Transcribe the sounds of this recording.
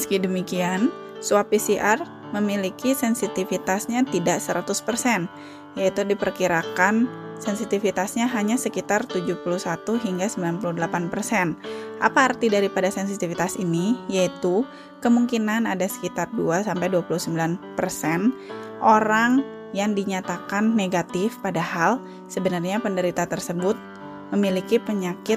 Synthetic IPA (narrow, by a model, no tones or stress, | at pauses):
məskidəmikian | suapisiʔar | məmilikisɛnsit̪ifit̪asɲat̪idaʔsəɾat̪ʊspərsɛn | jait̪udipərkiɾakansɛnsit̪ifit̪asɲaɦaɲasəkit̪art̪ud͡ʒuhpuluhsat̪uɦiŋɡasəmbilanpuludəlapanpərsɛnʔapaːrt̪idaɾipadasɛnsit̪ifit̪asinijait̪u | kəmuŋkinanadasə̥kit̪arduasampajduapuluhsəmbilanpərsɛnʔoɾaŋ | jaŋdiɲat̪akanːeɡat̪ɪfpadahal | səbənarɲapəndəɾit̪at̪ərsəbʊt̪̚ | məmilikipəɲakɪt̪̚